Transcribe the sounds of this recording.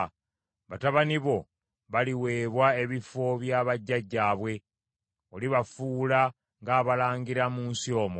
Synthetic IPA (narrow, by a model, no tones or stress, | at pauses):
βataβaniβo̞ | βaliwe̞ːβwae̞βifo̞βjaːβaɟːaɟːaːβwe̞ | oliβafuːla | ŋɡaːβalaːŋɡiɾamuːnsio̞ːmo